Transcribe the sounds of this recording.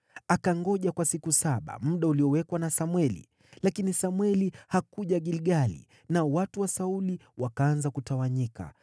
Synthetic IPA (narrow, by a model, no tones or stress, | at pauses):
akaŋɡɔʄakwasikusaɓa̰m̩ɗauliɔwɛkwanasamwɛlḭ | lakinisamwɛlihakuʄaɠilɡalḭ | naɔwatuwasauliwakaːnzakutawaɲika̰